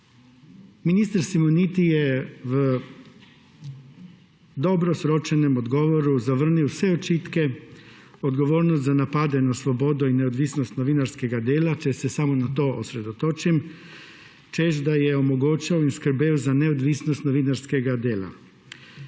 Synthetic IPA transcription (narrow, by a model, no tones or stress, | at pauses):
minist̪aɾsimunit̪ijeʋ | d̪o̞bɾosɾot͡ʃene̞mo̞d̪ɡo̞ʋoɾuzaʋr̩niosʋeot͡ʃit̪ke̞ | od̪ɡo̞ʋo̞ːɾnost̪zanapad̪e̞naslˠo̞bo̞d̪oineod̪ʋisnost̪noʋinaɾske̞ɡad̪eːlat͡ʃese̞samonat̪o̞ːʔo̰sɾe̞d̪o̞t̪o̞t͡ʃim | t͡ʃeːʃd̪ajeomoɡot͡ʃaoinskɾ̩beuzaneod̪ʋisnost̪noʋinaɾske̞ɡad̪eːla̰